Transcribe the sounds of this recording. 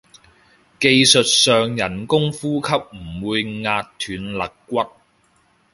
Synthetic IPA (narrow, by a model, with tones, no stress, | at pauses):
ke˧jsɵ˨t̚sœː˨ŋjɐ˨˩nkʊ˥ŋfuː˥kʰɐ˥p̚m̩˨˩wuː˨˧jŋaː˧tt̪ʰyː˨˥nlɐ˨˩kkːʷɐ˥t̚